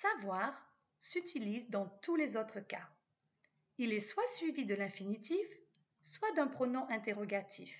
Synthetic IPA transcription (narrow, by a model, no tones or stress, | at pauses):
savwaʁ | syt̪ʰilizd̪ɑ̃t̪ulezot̪χəka | ilɛswasɥivid̪əlɛ̃finit̪if | swad̪ɛ̃pχɔnɔ̃ʔɛ̃t̪eʁɔɡat̪ʰif